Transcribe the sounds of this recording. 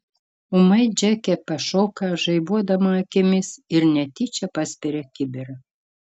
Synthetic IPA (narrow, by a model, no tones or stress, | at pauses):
ʊmɐɪd͡ʒʲækʲɛpɐʃoːkɐʒɐɪbuɔd̪ɐmɐɐkʲɪmʲɪsɪɾnʲɛt̪ʲit͡ʃʲɛpɑsʲpʲɛɾʲɛkʲɪbʲɪɾɐ